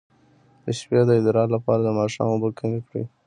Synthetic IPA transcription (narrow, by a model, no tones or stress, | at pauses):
d̪̥əʃpjɑd̪əɪd̪ɾɑlapɑɾad̪əmɑʃɑ̰mobəkənikɽḭ